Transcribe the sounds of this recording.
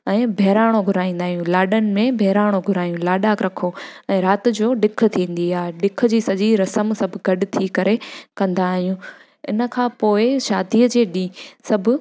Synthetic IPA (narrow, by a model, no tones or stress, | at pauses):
ɛ̃ːbʱɛːɾaːɽ̃oɡʱʊɾaːĩːnd̪aːɦijũlaːɗənɪ̆mẽbʱɛːɾaːɽ̃oɡʱʊɾaːjũlaːɗaːkɾɐkʰoɛ̃ːɾaːt̪̆d͡ʑoːɗɪk̆ʰt̪ʰĩːn̆d̪iaːɦeɗɪk̆ʰd͡ʑiːsɐʄiɾɐsəmsɐbʱʊɡɐɗʊt̪ʰikɐɾekɐ̃nd̪aːɦijũ | ɪnə̆kʰãːpoːɪʃaːd̪iəd͡ʑeːɗĩsɐbʱʊ